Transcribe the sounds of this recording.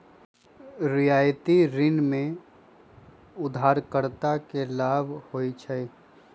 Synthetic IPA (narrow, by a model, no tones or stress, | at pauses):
ɾijaːjt̪iɾɪnmẽ | ʊd̪ʱaːɾkəɾt̪akelaːbʱhoit͡ʃʰɛ